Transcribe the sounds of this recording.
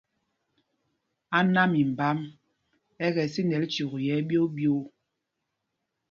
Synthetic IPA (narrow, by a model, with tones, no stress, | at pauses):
a˦na˦mi˨m̩˨ba˦m | ɛ˦ɣɛ˨si˦nɛ˨lt͡ʃu˨ɣjɛ˨˦bjo˦bjo˦